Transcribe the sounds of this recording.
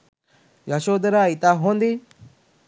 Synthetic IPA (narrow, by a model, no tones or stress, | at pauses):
jaʃoːd̪əɾait̪aɦõnd̪iː